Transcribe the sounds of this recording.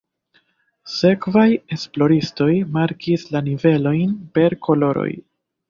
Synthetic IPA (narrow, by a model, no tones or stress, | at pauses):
se̞kvaje̞splo̞ɾisto̞jmaɾkislanive̞lo̞jnpe̞ɾkʰo̞lo̞ɾo̰j